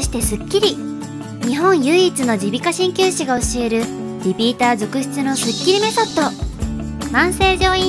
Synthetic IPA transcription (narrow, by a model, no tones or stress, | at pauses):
ɕi̥t̪e̞sɨkʲːiɾʲi | ɲ̟iɦõ̞ɰ̃jɯ̟ːt͡sɨno̞d͡ʑibʲikaɕĩŋkʲɨːɕiɡao̞ɕie̞ɾɯ̟ | dʲipʲiːt̪aːzo̞kɯ̟ɕi̥t͡sɨno̞sɨkʲːiɾʲime̞sot̪ːo̞ | mãɰ̃se̞ːʑo̞ːĩ